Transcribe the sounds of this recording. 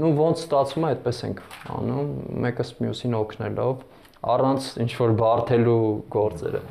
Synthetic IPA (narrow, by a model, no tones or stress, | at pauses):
nuvɔnt͡sʰst̪ɑt͡sʰvumɑɛt̪̚pɛsɛŋkʰɑ̰numːɛkəsmjusinɔkʰnɛlʔɔv | ɑ̰rɑnt͡sʰint͡ʃʰvɔɾbɑrt̪ʰɛluɡɔɾt͡sɛ̰ɾə̰